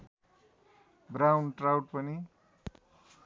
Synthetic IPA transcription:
bɾawnʈrawʈ̚pʌni

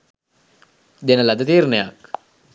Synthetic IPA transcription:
d̪enəlad̪ət̪iːɾneja̰k

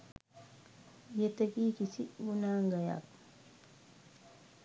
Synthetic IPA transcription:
jetːəkikisiwunaːŋɡaja̰k̚

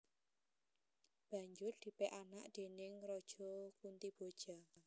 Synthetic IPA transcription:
b̥ä̤ɲd͡ʒʊrd̪̥i̤pɛʔanaʔd̪̥e̤nɪŋrɔd̥ʒ̥ɔkunt̪ib̥od̥ʒ̥a

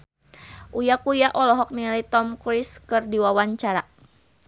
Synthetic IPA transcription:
ʔujakujaʔɔlɔɦɔk̚nilit̪ɔmkɾiskɨrdiwawaɲt͡ʃaɾa

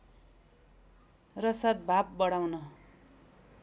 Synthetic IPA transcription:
rʌsad̪̚bʱab̚bʌɽawnʌ

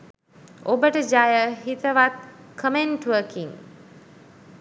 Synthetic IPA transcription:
obəʈəd͡ʒajəɦit̪əʋat̪̚ | kʰəmeɳʈʋəːkiŋ

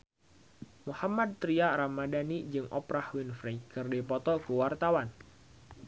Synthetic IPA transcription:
muhamad̪̚t̪ɾiaɾamadanid͡ʒɨŋʔɔpɾahwinfɾɛjkɨrdepɔt̪ɔkəwart̪awan

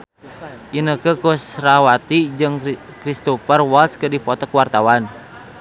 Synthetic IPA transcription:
ʔinəkəkusrawat̪id͡ʒɨŋ | kɾist̪ɔfərwalt̪skədifɔt̪ɔkəwart̪awan

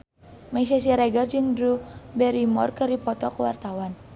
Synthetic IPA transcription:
mas̬as̬iɾɛɡard͡ʒɨŋdɾubɛɾimɔrkɨrdipɔt̪ɔkəwart̪awan

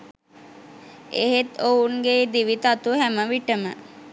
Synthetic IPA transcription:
eɦet̪ounɡed̪iʋit̪at̪uɦæməʋiʈəmə̰

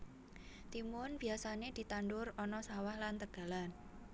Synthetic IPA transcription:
t̪imʊnb̥i̤asaned̪̥i̤t̪anɖʊrɔnɔsawahlant̪əɡ̥a̤lan

